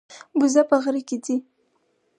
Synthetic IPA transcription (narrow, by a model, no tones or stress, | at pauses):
buzapaɣɾikidi